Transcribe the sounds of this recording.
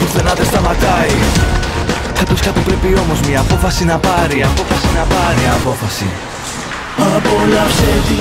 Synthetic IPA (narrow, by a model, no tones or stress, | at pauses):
θenɐðest̪ɐmɐt̪ɐi | ɐt̪osçɐt̪upɾipio̞mo̞zmɲɐːpo̞fɐsinɐpɐɾiɐpo̞fɐsinɐpɐɾiɐpo̞fɐsḭ | ɐpolɐfseti